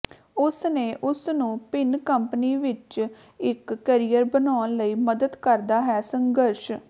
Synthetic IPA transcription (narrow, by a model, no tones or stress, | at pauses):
ʊsneːʔʊsnũːpɪnkəmpəniːʋɪt͡ʃ | ɪkːəɾijəɾbənaːnləiːməd̪əd̪kəɾd̪aːɦɛːsəŋɡəɾʃ